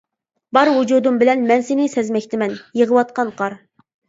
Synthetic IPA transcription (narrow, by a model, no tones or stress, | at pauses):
bɑɾwud͡ʒud̪umbɪlɛnmɛnsɪnɪsɛzmɛkʲt̪ʰɪmɛnjəʁəwɑt̪̚qɑnqʰɑɾ